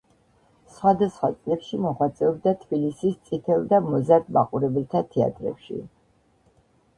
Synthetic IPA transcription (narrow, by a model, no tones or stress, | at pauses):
sχwad̪asχwa̰t̪sʼlɛpʃimɔχwat̪sʼɛɔb̚d̪at̪ʰb̥ilisist̪sʼit̪ʰɛld̪amɔzaɾd̪̚ma̰qʼuɾɛbɛlt̪ʰat̪ʰɛa̰t̪ʼɾɛ̰pʃḭ